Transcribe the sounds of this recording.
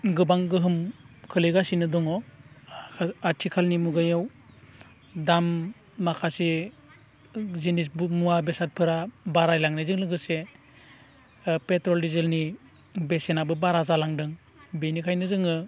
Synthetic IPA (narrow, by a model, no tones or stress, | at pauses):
ɡɯbaŋɡɯɦɯm | kʰɯlɯɡasinɯdɔŋɔ | atʰikʰalnimuɡajaw | damː | akʰase | zinisbmuabesat̚pʰɯɾabaɾajlaŋnizɯŋlɯŋɡɯse | petɾɔldizelni | besenabɯbaɾazalaŋdɯŋ | benikʰajnɯzɯŋɯ